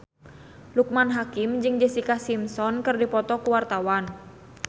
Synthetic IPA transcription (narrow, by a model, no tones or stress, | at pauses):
luk̚manɦakimd͡ʒɨŋd͡ʒəsikasimsɔnkɨrdipɔt̪ɔkuwart̪awan